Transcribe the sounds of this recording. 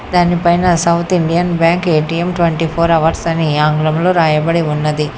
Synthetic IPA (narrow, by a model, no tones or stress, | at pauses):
d̪aːnipɐjnɐsɐwt̪ʰiɳɖijɐnbjaːŋkeːʈiemʈʋeɳʈipʰoːɾɐʋɐɾsɐniaːŋɡulɐmlo̞ːɾaːjɐbɐɽiunːɐd̪i